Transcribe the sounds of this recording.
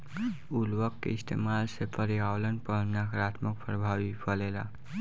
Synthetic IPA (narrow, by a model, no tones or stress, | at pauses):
ulwəkːḛist̪ʰḛmalsepʰəɾiawlənpənakɾat̪ʰmək̚pʰɾəbʱabipəlela̰